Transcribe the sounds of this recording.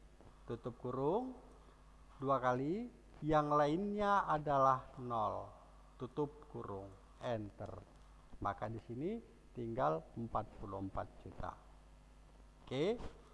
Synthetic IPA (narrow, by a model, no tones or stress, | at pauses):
t̪ut̪up̚kuɾuŋ | duakali | jaŋlainɲaadalahnɔl | t̪ut̪up̚kuɾʊŋ | ɛnt̪ə̰r | makadisini | t̪iŋɡaləmpat̪̚pulumpa̰t̪̚d͡ʒut̪a̰ | ke